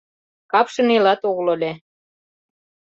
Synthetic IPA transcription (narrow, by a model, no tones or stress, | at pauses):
kɑpʃɤ̆nilɑt̪oɣlolʲe